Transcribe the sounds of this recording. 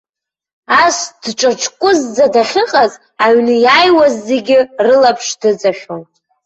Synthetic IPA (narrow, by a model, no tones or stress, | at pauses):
asd̥ʈ͡ʂʼɨt͡ʃʰʼkʷʼʊzːadaχʲɨqʼaz | aɥnɨjajwazːe̞ɡʲɪrɨlapʰʂdɨt͡sʼaʃᶣon